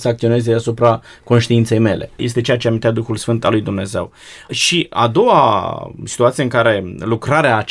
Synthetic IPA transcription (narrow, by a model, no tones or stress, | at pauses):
səak̚t̪io̞ne̞zeasupɾa | ko̞nʃt̪iint̪se̞jme̞le̞̰jes̬t̪e̞t͡ʃejat͡ʃeamint̪jad̪uxulsfɨnt̪alujd̪umne̞ze̞̰w | ʃia̰d̪o̞wa̰si̥t̪uat̪sieɨŋkaɾe̞lukɾaɾeaːt͡ʃ